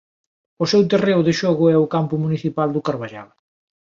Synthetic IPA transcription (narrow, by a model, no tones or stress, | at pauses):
ʊsɛwt̪ereʊðɪʃɔɣʊɛʊkampʊmuniθipald̪ʊkaɾβaʒa̰l